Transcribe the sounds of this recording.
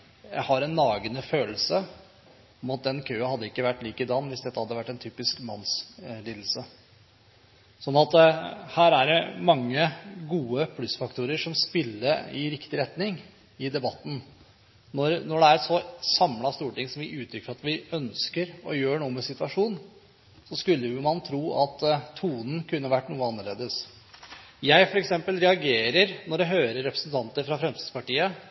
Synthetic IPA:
jæ̰ɪhɑɾɛnːɑːɡənəføːl̩sə | ɔmɑt̪̚d̪ɛnkʰøːəhɑd̪ːəɪkːəʋæʈːliːkəd̪ɑnːʋɪsd̪ɛt̪ːəhɑd̪ːəʋæʈːɛnt̪ʰyːpɪskmɑnsliːd̪l̩sə | sɔnːɑt̪hæːɾæɖɛmɑŋːəɡuːəpʰlʉsfɑkt̪ʰuːɾəʂɔmspɪlːəɾɪ̰ɾɪkt̪ɪɾɛt̪nɪŋ | ɪd̪ɛbɑt̪ːn̩ | nɔɾnɔɖɛæɾsɔsɑmlɑst̪uːʈɪŋsɔmʋɪʔʉːt̪ʰɾʏkːəɾɑt̪ʋɪœnskəɾɔjøːɳuːəmɛsɪt̪ʋɑʂuːn | sɔskʉlːəjʊmɑnt̪ʰɾuːʔɑt̪ʰːuːnn̩kʰʉnːəʋæʈːnuːəɑnːəɭeːd̪əs | jæɪfɔɾɛksɛmpəlɾɛɑɡeːɾəɾnɔɖɛɦøːɾəɾɛpɾəsnt̪ʰɑnt̪əɾfɾɑfɾɛmsɪd̪spɑʈiːə

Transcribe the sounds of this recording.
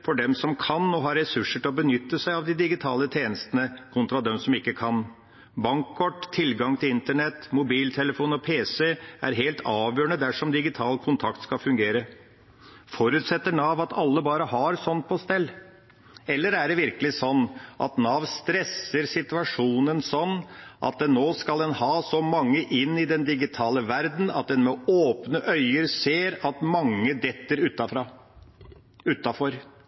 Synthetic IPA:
fɔɖɛmsɔmkʰɑnːɔɦɑɾɛsʉʂːəʈɪlɔbənʏt̪ːəsæɪɑʋd̪ɪd̪ɪɡɪt̪ʰɑːlət̪ʰeːnəst̪ənəkʰʊnt̪ɾɑd̪ɛmsɔmɪkːəkʰɑn | bɑŋkʰːɔʈːt̪ʰːɪlɡɑŋt̪ʰɪlɪnt̪əɳɛt̪ːmʊbiːlt̪ʰɛləfuːnɔpʰeːsɛæ̰ɾɦeːlt̪ʰɑːʋjøːɳəd̪æʂɔmd̪ɪɡɪt̪ʰɑːlkʰʊnt̪ʰɑkt̪skɑfʉŋɡeːɾə | fɔɾʉːt̪sɛt̪ːəɳɑːʋɑt̪ʰɑlːəbɑːɾəhɑɾsɔnt̪̚pʰɔst̪ɛlː | ɛlːəɾæɖɛʋɪɾkəlɪsɔnːʔɑ̰t̪nɑːʋnst̪ɾɛsəɾsɪt̪ʉɑʂuːnənsɔnːʔɑ̰t̪̚d̪ɛnːoːskɑld̪ɛnhɑːsɔmɑŋːəʔɪnːɪd̪ɛnd̪ɪɡɪt̪ʰɑːləʋæɾd̪n̩ɑ̰t̪̚d̪ɛnmɛoːpnəʔœʏəɾseːɾɑt̪mɑŋːəd̪ɛt̪ːəɾʉt̪ːɑfɾɑ | ʉt̪ːɑfɔɾ

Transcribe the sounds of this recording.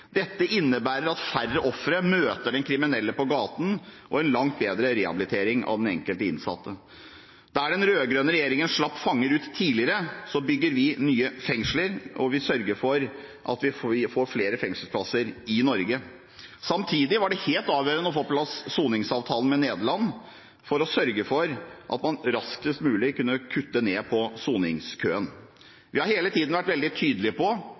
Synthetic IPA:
d̪ɛt̪ːəʔɪnːəbæːɾəɾɑt̪færːəʔɔfɾəmøːt̪əɖɛnkʰɾɪmɪnɛlːəpɔɡɑːt̪n̩ʔɔɛnlɑŋt̪̚beːd̪ɾəɾɛɑ̰bɪlɪt̪ʰeːɾɪŋʔɑ̰ʋd̪ɛnɛ̰ŋkəlt̪əɪnsɑ̰t̪ʰːə | d̪æɖɛnɾøːɡɾøːnəɾɛjeːɾɪŋənʂɭɑpːfɑŋːəɾʉːt̪ʰːiːlɪəɾəsɔbʏɡːəɾʋɪnyːəfɛŋʂləɾɔʋɪsœɾɡəɾfɔɾ | ʔɑ̰t̪ʋɪɪfoːɾfleːɾəfɛŋsəlspʰlɑsəɾɪnɔɾɡə | sɑmt̪ʰiːd̪ɪʋɑɖɛheːlt̪ɑːʋjøːɾənəɔfoːpʰlɑsːuːnɪŋsɑːʋt̪ʰɑːlən̩mɛneːd̪əɭɑnː | fɔɾɔsœɾɡəfɔɾʔɑ̰t̪mɑnɾɑsk̪ɪst̪mʉːlɪkʰʉnːəkʰʉt̪ːəneːpʰɔsuːnɪŋskʰøːən | ʋɪhɑɾheːlət̪ʰiːd̪n̩ʋæʈːʋɛld̪ɪt̪ʰyːd̪əlɪəpʰɔ

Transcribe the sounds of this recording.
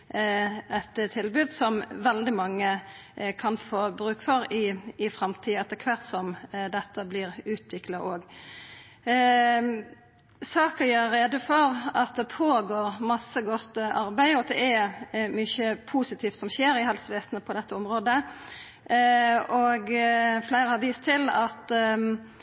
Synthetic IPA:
ɛt̪t̪ʰɪlbʉːd̪sɔmʋɛld̪ɪmɑŋːəkʰɑnfoːbɾʉːkfɔɾɪːfɾɑmt̪ʰiːɛt̪ːəkʰʋæʁt̪sɔmd̪ɛt̪ːəblɪʁʉːt̪ʋɪklɑʔoːɡ | sɑːkɑjøːeːd̪ʊfɔɾɑt̪̚d̪ɛpʰoːɡoːɾmɑsːəɡɔt̪ːɑɾbæɪɔd̪ɛ̰ʔɛmʏçəpʰuːsɪt̪ʰiːft̪sɔmçeːɾɪhɛlsʋeːsnəpʰɔd̪ɛt̪ːəɔmɾoːd̪ə | ɔɡflæɪɾəhɑɾʋiːst̪ʰɪlɑt̪

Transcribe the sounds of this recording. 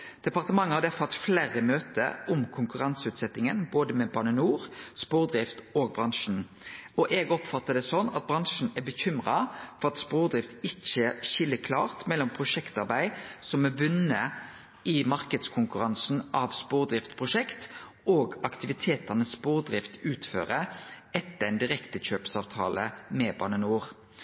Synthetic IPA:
d̪̥ɛpɑʁt̪əmɑŋːəhɑd̪æfɑt̪flæːɾəmøːt̪ə̰ʔɔmkʰʊŋkʉʁɑnsəʉːt̪sɛt̪ːɪŋənboːd̪əmɛbɑnənuːʁspuːʁd̪ʁɪft̪oːɡ̚bʁɑŋʂn̩ | ɔʔeːɡɔpfɑt̪ːəd̪ɛsɔnːɑ̰t̪̚bʁɑŋʂn̩æbəçʏmʁɑfɔʁɑt̪spuːʁd̪ʁɪft̪ɪt͡ʃːəʃɪlːəkʰlɑ̰ːʁt̪mɛlːɔmpʰʁʊʂɛkt̪ɑɾbæɪsɔmɛʋʉnə | ʔɪmɑʁkəd̪skʰʊŋkʉʁɑnsn̩ʔɑʋspoːʁd̪ʁɪft̪pʰʁʊʂɛkt̪ | oːɡɑkt̪ɪʋɪt̪ʰeːt̪ənəsːpoːʁd̪ʁɪft̪ʉːt̪fø̰ːʁəɛt̪ːəæɪnd̪ɪʁɛkt̪əɕøːpsɑːʋt̪ʰɑ̰ːləmɛbɑ̰ːnənuːʁ

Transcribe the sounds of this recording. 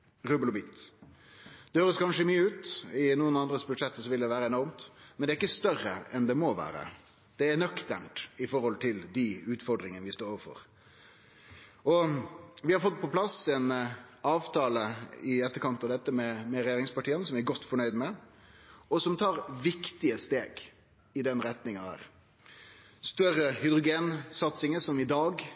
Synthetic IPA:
ɾʉːbəlɔbiːt̪ | d̪̥ɛhøːɾəskʰɑnʂəmyːəʉːt̪ɪnuːənɑnd̪ɾəsbʉd̪ʂɛt̪ːəsɔʋɪld̪ɛʋæːɾəɛnɔɾmt̪mɛnd̪ɛːɾɪkːəst̪œrəɛnd̪ɛmɔʋæ̰ːɾə̰ | d̪̥ɛæɾɳœkt̪æɳʈɪfɔɾhɔlt̪ʰɪld̪ɪʉːt̪fɔɾɖ̪ɾɪŋənəʋɪst̪oːɾɔːʋəɾfɔ̰ɾ | ʔɔʋɪhɑɾfɔt̪̚ːpʰɔpʰlɑsɛnɑːʋt̪ʰɑːləɪɛt̪ːəɾkɑnt̪ɑʋd̪ɛt̪ːəmɛmɛɾɛjeːɾɪŋspɑʈʰiːənsɔmʋɪæɡɔt̪ːfɔɳœʏd̪mɛ | ɔsɔmt̪ʰɑːɾʋɪkt̪ɪəst̪eːɡ | ɪd̪ɛnɾɛt̪nɪŋɑnhæ̰ːɾ | st̪œrəhʏd̪ɾʊɡeːnsɑt̪sɪŋəsɔmɪd̪ɑːɡ

